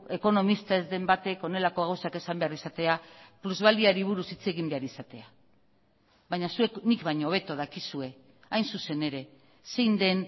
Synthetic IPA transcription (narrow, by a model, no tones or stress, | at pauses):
e̞ko̞no̞mist̪aezd̪e̞mbat̪e̞ko̞ne̞lako̞ɣawsake̞sambe̞arisat̪e̞apluzβald̪iaɾiβ̞uɾusit͡se̞ɣimbeaɾisat̪e̞a | βajɲasue̞knikβaɲooβe̞t̪o̞ðakisue̞ | ajnsuse̞ne̞ɾe̞ | se̞jnd̪e̞n